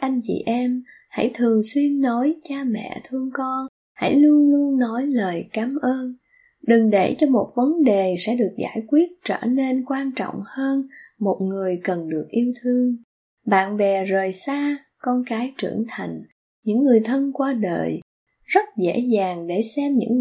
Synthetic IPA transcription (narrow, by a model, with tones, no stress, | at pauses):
ʔa˧jŋ̟t͡ɕḭ˧˨ʔɛ˧m | ha̰˧˥˩jt̪ʰɨ˨˩əŋswi˧ənːɔ˨˦jt͡ɕaː˧mɛ̰˧˨t̪ʰɨ˧əŋkɔ˧n | ha̰˧˥jlu˧ənlu˧ənːɔ˨˦jləː˨˩jkaː˨˦mʔəː˧n | ɗɨ˨˩ŋɗḛ˧˩t͡ɕɔ˧mo˨˩t̚və˨˦nɗe˨˩sɛ̰˧˥ɗɨ˨˩ək̚za̰ː˧˩jkwi˦˥ət̚t͡ɕəː˧˩ne˧nkwaː˧nt͡ɕɔ̰˧˨wŋ͡mhəː˧nmo˨˩t̚ŋɨ˨˩əjkə˨˩nɗɨ˨˩ək̚ʔi˧əwt̪ʰɨ˧əŋ | ɓa̰ː˧˨nɓɛ˨˩zəː˨˩jsaː˧ | kɔ˧nkaː˨˦jt͡ɕɨ̰˧˩əŋt̪ʰa˨˩jŋ̟ | ɲɨ̰˧˥ŋːɨ˨˩əjt̪ʰə˧nkwaː˧ɗə̰ː˨˧˨j | zə˦˥t̚zḛ˧˥zaː˨˩ŋɗe˧˩sɛ˧mɲɨ̰˧˥ŋ